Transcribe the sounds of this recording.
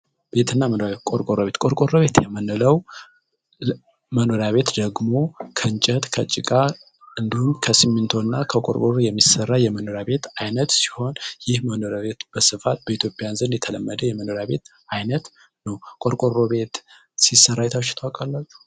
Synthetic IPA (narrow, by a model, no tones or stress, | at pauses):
b̥e̞t̪ʰɨnːamənoɾakʼoɾkʼoɾoβe̞t̪kʼoɾkʼoɾoβe̞t̪jɛmənːɨləw | məno̞ɾjaβe̞t̪d̪əɡmo̞kʰəɨɲt͡ʃʼət̪kʰət͡ʃʼɪkʼa | ɨnd̪ihumkʰəsɨmːint̪ʰo̞nːakʰəkʼo̰ɾkʼoɾojɛmːisərːajɛməno̞ɾjaβe̞t̪ajnət̪si̥ho̞njɪhməno̞ɾjaβe̞t̪b̥əsɨfat̪̚bəit̪ʰjo̞pʼjanzɨnjɛt̪ʰələmːəd̪əjɛməno̞ɾjaβe̞t̪ | ajnət̪ | nəwkʼoɾkʼoɾoβe̞t̪ | sisːərːajɛt̪ʰaʃɪ̥t̪ʰwakʼalːat͡ʃːu̥